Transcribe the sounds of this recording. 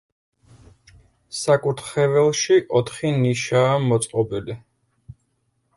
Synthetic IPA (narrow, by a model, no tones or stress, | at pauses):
sakʼut̪ʰχɛvɛlˠʃiʔɔt̪ʰχiniʃaːmɔt̪sʼqʼɔbili